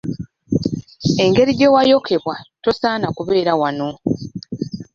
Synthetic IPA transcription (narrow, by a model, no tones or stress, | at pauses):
e̞ŋɡe̞ɾiɟe̞wajo̞kʰe̞βwato̞saːnakuβe̞ːɾawano̞